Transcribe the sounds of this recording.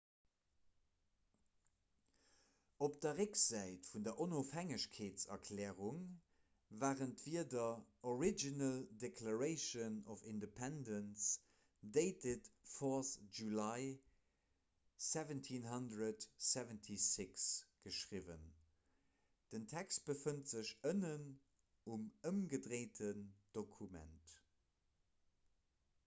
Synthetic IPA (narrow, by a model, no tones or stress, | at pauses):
op̚d̥ɐʁekz̥æɪtfundɐʔonoːfhæŋəɕkʰeːtsɐ̰kʰlɛːʁuŋ | vaːʁəntv̥iɐdɐoɹid͡ʒinəldekʰlaɹəɪʃənɔfindepʰɛndəns | deɪtʰetfɔsʒulɑɪ | sɛvəntʰinɦɑndɹədsɛvəntʰisɪksɡ̥əʃʁivən | d̥əntʰɛkst̚b̥əfəntz̥əʃənən | uməmɡədʁeɪtʰənd̥okʰumɛ̰nt